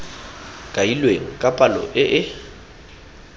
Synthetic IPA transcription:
kʼailweŋ̩kʼapʼalɔ̰ʔɪʔɪ

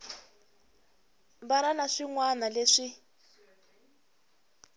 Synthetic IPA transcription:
mbaɾanaʂiŋwanaleʂi

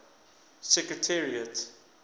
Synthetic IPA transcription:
sɛkɹətʰɛɹiət

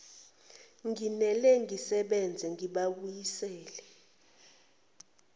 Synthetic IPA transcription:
ŋinɛlɛŋɡisɛɓɛnd͡zʱɛŋiɓaɓujisɛːlɛ

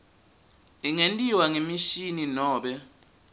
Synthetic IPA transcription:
iŋentʼiwaŋemiʃininɔːɓɛ

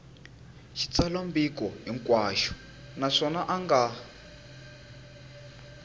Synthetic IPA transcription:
ʃit͡salambikɔɦiŋkwaːʃɔ̥ | naʂɔnaʔaŋɡa

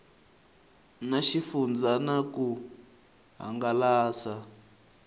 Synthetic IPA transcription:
naʃifund͡zanaku | ɦa̰ŋɡalaːsa

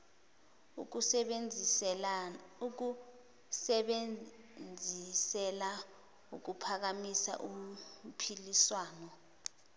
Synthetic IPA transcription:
uu | u | ɓe | nd͡zʱisɛla | uk̬upʰak̬amisa̰ʔum̩pʰiliswaːnɔ

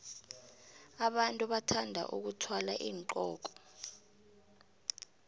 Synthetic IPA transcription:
aɓantʼuɓatʰandʱa̰ʔṵk̬utʰwalaʔiːŋǃɔːk̬ɔ̥

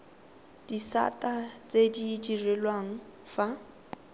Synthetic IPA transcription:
d̥isa̰tʼat͡sediːdirɛlwaŋ̩fa

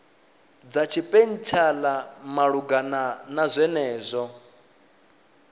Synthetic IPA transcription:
d͡zat͡ʃʰipʼen̩t͡ʃʰalamaɺuɡananazʷɛnɛːzʷɔ

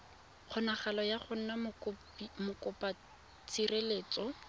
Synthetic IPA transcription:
χʊnaχalɔjaχʊn̩nam | mʊkʊpa | t͡sʰireleːt͡sɔ

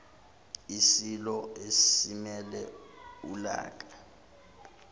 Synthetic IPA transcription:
isilɔesimɛlɛula̰ːk̬ḁ

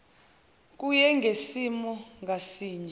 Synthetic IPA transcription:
k̬ʼujɛŋɡʱesimɔŋɡʱasiːɲɛ

